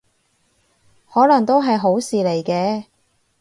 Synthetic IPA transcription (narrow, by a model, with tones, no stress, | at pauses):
hɔː˨˥lɐ˨˩ŋt̪o˥wɦɐ˨jɦo˨˥wsiː˨le˨˩jkɛː˧